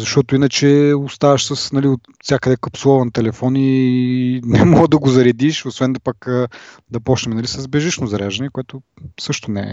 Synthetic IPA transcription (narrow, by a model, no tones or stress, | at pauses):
zɐʃt̪ɔt̪ʊinət͡ʃɛost̪avɐʃsɐsnɐliot̪ | fsʲjakəd̪ɛkəpslˠɔvɐnt̪ɛlɛfɔni | nɛmɔd̪ɐɡozɐɾɛd̪iʃosvɛnd̪ɐpɐkː | d̪ɐpɔt͡ʃnɛmɛnɐlisɐzbɛʒiʃnozɐɾɛʒɐnɛkoɛt̪ʊ | sɤʃt̪ʊnɛɛ̰